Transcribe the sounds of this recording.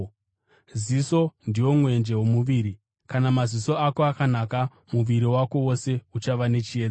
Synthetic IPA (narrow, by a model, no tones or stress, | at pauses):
ziso̞ndijo̞mwe̞nd͡ʒe̞wo̞muʋiːɾi | kanamaziso̞ako̞akanaka | muʋiɾiwako̞wo̞se̞ut͡ʃaʋane̞t͡ʃied͡za